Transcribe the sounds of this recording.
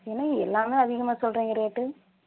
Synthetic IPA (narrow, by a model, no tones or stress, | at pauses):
ɛnːɐaːɛlːaːmeːɐðɪɣɐmaːsɔlrɾẽːŋɡɪɾɐjaʈːɯ